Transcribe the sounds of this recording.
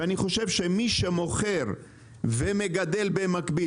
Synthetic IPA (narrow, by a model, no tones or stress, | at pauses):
aniχo̞ʃe̞vʃemiʃemo̞χeʁ | veme̞ɡad̪e̞lbemakbi